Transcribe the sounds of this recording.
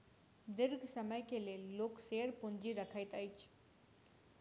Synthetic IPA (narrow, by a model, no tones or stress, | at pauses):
d̪ɪɾɡʱsəməjkelelːoːkseəɾpuɲd͡ʑiːɾəkʰajt̪ajt͡ɕ